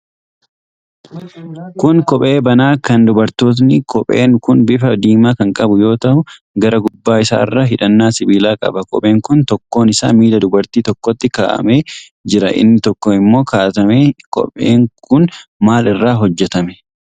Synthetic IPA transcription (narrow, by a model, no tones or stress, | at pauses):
kʊŋkɔpʼe̞ːbɐnaːkɐnd̪ʊbɐɾt̪oːt̪̬nɪkɔpʼḛːnkʊnbɪfɐd̪iːmaːkɐŋkʼɐbʊjo̞ːt̪ɐʔʊ | ɡɐɾɐɡʊbːaːɪsa̰ːɪrːɐɦɪᶑɐnːaːsɪbiːlaːkʼɐ̰bɐkɔ̰pʼe̞ːŋkʊnt̪ɔkːo̞ːnɪsa̰ːmiːd̪ɐd̪ʊbɐɾt̪iːt̪ɔkːɔt̪ːɪkaːʔɐ̰me̞ː | d͡ʒɪɾɐʔɪ̰nːɪt̪ɔkːɔɪmːo̞ːkaːt̪ɐmeːkɔ̰pʼḛːŋkʰʊnmaːlɪrːaːɦɔd͡ʒːɛt̪ɐmɛ